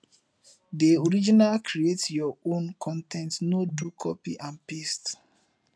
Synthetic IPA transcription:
deoɹid͡ʒinalkʰɾietjɔõnkʰɔ̃ntʰɛ̃ntnodukʰɔpiʔãnpest

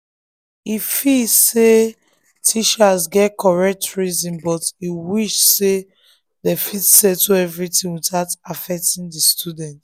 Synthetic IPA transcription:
ifilse | tʰit͡ʃasɡɛtkʰɔɹɛk̚tʰɹizĩnbɔtiwiʃse | dɛfitsɛtuɛvɹitĩŋwitatafɛk̚tĩndistudɛ̃nt

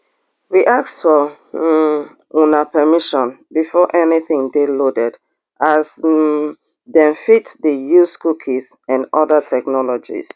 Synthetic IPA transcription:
wiʔaksfɔ | unapʰɛmiʃɔ̃nbifɔʔɛniθĩŋdelodɛd | ʔaz | dɛ̃nfitdəjuskukʰisãnɔðətʰɛknɔlɔd͡ʒḭs

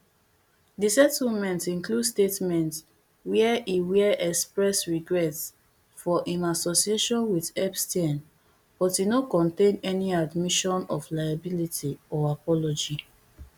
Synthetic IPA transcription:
disɛtl̩mɛ̃ntĩnkludstetmɛ̃nt | wɛɛʔiwiʔɛkspɹɛsɹiɡɹɛts | fɔʔĩnasosieʃɔ̃nwidɛpstɛn | b̥ɔtinokɔ̃ntẽnɛniadmiʃɔ̃nɔflaɪabilitʰiɔapɔlɔd͡ʒi

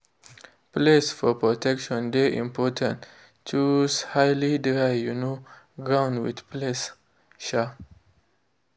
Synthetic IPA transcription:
plesfɔpɹɔtʰɛkʃɔ̃ndeʔḭ̃mpɔtʰə̃n | t͡ʃushajlidɹajjuno | ɡɹãw̃ndwḭdples | ʃa

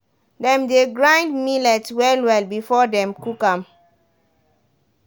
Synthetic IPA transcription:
dɛ̃mdeɡɹãjndmilɛtwɛlwɛlbifɔdɛ̃mkukãm

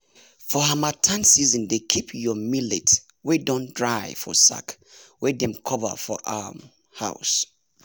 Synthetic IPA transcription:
fɔɦamatʰãnsizɔ̃ndekʰipʰjɔmilet | wedɔ̃ndɹaɪfɔ̰sa̰k | wɛdɛ̃mkʰɔvə̰fɔ̰ʔam | ha̰ʊs

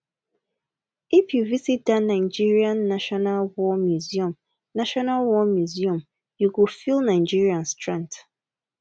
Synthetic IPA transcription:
ifjuvisit̚danãɪd͡ʒiɹiãnːaʃɔnalwɔmjuziɔ̃m | naʃɔnalwɔmjuziɔ̃m | jukufilˠnaɪd͡ʒiɹiãnstɹɛ̃nt

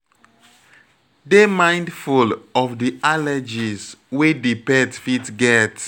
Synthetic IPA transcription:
demãɪ̃ndfulɔfdialɛd͡ʒiswedipɛtfitɡɛt

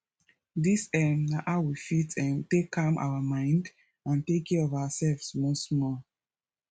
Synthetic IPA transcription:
disɛmnaʔawifitɛmtekʰːamʔa̰wamãɪ̃nd | ãntekɛɔvawasɛlvsmosmɔ

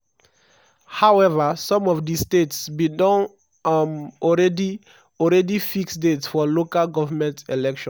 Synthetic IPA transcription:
hawɛvəsɔ̃mɔvdistetsbidɔ̃n | ɔɹɛdi | ɔlɹɛdifiksdetsfɔlokalɡɔvəmɛ̃ntɛlɛkʃɔ̃n

